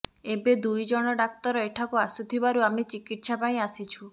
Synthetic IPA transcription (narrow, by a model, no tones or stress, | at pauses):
ebed̪ujd͡ʒɔɽ̃ɔɖak̚t̪ɔɾɔeʈʰakuasut̪ʰibaɾuamet͡ʃikiʈsapaĩasit͡ʃʰu